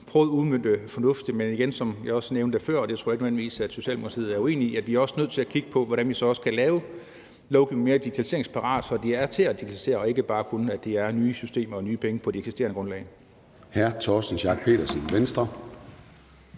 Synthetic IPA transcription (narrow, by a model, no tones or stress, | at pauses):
pʰʁœːð̞̩ˠuðˠmøn̰d̥əfɒ̽nɔ̽fd̥imeniɡ̥ensɒ̽mjɑ̈ɪɒ̽sneʊnd̥efɶɐ̰ɒd̥e̝t͡sʰo̝ɐjeɡ̥ənøʋen̰liʋḭːsæd̥so̝ɕɛ̰ːldemukʰɑt͡sʰḭð̩ˠæɐue̝̰ːniæ̥ʋiæɐɒ̽sənøð̰ˠt͡sʰe̝lækʰiɡ̥əpʰɒ̽ʋɒdɾænʋisɒ̽ɒ̽sə̥kʰælɛːʊ | lɒʊɡ̥iʊnŋmeːɐd̥iɡ̥it͡sʰælise̝ɐeŋspʰɑ̈ʁɑ̰̈ːd̥sɒ̽d̥iæɐt͡sʰe̝æd̥iɡ̥t͡sʰælise̝̰ːɐɒ̽e̝ɡ̥əb̥ɑ̈ːkʰunəæd̥e̝æɐnyːsysd̥e̝̰ːmɐɒnyːpʰeŋəpʰɒ̽d̥ieɡ̥sisd̥e̝̰ɐnəɡ̥ʁɔ̽nlɛ̰ːɪ | hæɐt͡sʰɒːsn̩ɕɑ̈ɡ̥̚pʰe̝̰ːɾɐsinʋensd̥ʁɐ